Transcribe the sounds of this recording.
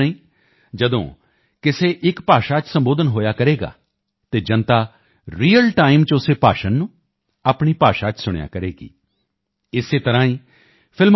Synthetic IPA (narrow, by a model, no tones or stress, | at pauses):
əĩː | d͡ʒəd̪õ̰ː | kɪseːʔɪkpaːʃaːt͡ʃsəmboːd̪ənɦoːjaːkəɾeːɡa̰ː | t̪eːd͡ʒənt̪aː | ɾiːəlʈaːɪmt͡ʃʊseːpaːʃənːũː | aːpɳiːpaːʃaːt͡ʃsʊɽja̰ːkəɾeːɡḭː | ɪseːt̪əɾãːĩː | pʰɪlm